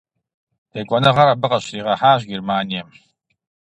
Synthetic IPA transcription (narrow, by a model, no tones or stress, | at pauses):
eːkʷʼɔnɐʁɐɾabɨqɐɕriːʁɐħaːʒɡirmaːnijɛm